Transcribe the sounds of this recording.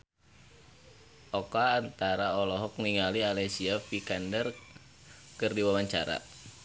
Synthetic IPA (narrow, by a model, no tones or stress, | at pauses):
ʔɔkaːnt̪aɾaɔlɔɦɔk̚niŋalialesiafikandər | kɨrdiwawaɲt͡ʃaɾa̰